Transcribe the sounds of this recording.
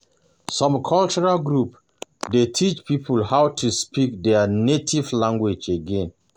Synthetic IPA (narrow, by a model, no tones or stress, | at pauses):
sɔ̃mkʰɔlt͡ʃɔɹalɡɹup | detʰit͡ʃpʰipʰulhawtʰuspik̚dɛnetʰivlãŋɡwed͡ʒeɡɛ̃n